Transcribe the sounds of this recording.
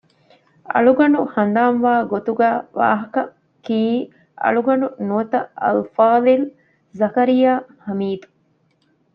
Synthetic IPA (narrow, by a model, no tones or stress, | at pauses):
ɐ̰ɭuɡɐɳuhɐnd̪aːnʋaːɡot̪uɡæːʋa̰ːɦɐkɐ | kiː | ʔɐ̰ɭuɡɐɳunuɐt̪ɐɐ̰lfaːd̪il | zɐkɐɾijaːhɐmiːd̪u̥